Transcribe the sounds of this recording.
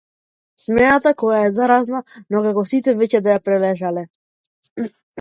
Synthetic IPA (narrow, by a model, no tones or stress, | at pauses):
smɛnat̪akɔjaɛzaɾaznanɔkakɔsit̪ɛvɛcɛd̪ajapɾɛlɛʒalɛ